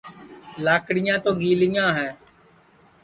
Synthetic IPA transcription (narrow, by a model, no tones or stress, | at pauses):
laːkɽɪjãːt̪õːɡiːlɪjãːɦɛ̃ː